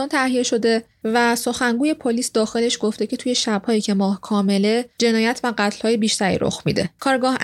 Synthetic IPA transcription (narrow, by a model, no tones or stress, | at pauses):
ɒːnt̪ʰæhije̞ʃo̞d̪e̞ | væso̞xæŋɡuːje̞pʰoliːsd̪ɒːxe̞le̞ʃɡo̞ft̪ecʰet̪ʰuːje̞ʃæb̥hɒːjiːcʰe̞mɒːhkʰɒːme̞led͡ʒe̞nɒːjæt̪ʰvæɢæt̪ʰl̥hɒːjebiːʃt̪ʰæɾḭɾo̰xmḭːd̪e̞̰kʰɒːɾɡɒːh